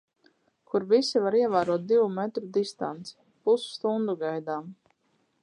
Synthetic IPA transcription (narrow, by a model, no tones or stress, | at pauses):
kʰuɾvisivaɾiɛvaːɾuɔt̪̚d̪ivumɛt̪ɾud̪ist̪a̰nt̪si̥ | pusst̪und̪uɡajd̪aːm